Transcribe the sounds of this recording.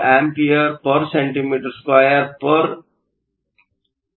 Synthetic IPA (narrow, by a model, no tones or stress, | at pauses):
æ̃mpiəɾpəɾsẽɳʈimiːʈəɾskwajəɾpəɾ